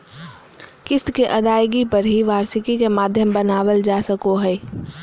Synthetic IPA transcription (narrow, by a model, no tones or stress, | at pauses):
kɪskeʔɐd̪aːjɡipəɾɦiʋaːɾsɪkikemaːd̪ʱjəmbənaːwəld͡ʒaːsəkoɦɛː